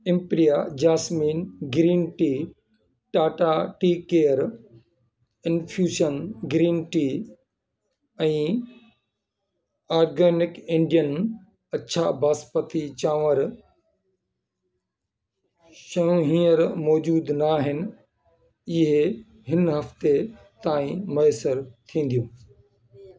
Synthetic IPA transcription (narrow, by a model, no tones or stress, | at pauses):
ɪ̃mpɾijad͡ʑaːsmiːnɡɾiːnʈiː | ʈaːʈaʈiːkeːəɾ | ɪnfʰjuːʃənɡɾiːnʈiː | ɛ̃ː | aːɾɡeːnɪkẽɳɖijən | ɐtːt͡ɕʰabaːspət̪it͡ɕãːʋəɾ | ʃɐjũɦĩːəɾmɔːd͡ʑuːd̪naːɦɪnɪ̆ | ɪɦe | ɦɪnɦɐft̪e | t̪aːĩmɐesəɾt̪ʰĩːn̆d̪ijũː